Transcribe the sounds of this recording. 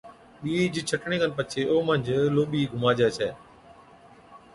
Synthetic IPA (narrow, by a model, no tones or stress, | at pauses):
ɓiːd͡ʒɪt͡ʃʰəʈɳeːkənpət͡ʃʰeːoːmə̃ɲd͡ʒloːɓiːɡʱʊmaːd͡ʒɛːt͡ʃʰɛː